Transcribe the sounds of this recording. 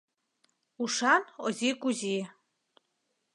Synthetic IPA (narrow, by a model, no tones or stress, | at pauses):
uʃanozʲikuzʲi